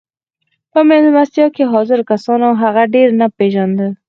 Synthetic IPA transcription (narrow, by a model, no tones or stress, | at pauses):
pəmezmast̪jɑkeɦɑzɪɾkasɑnaɦaɣaɖeɾnapeʒand̪ə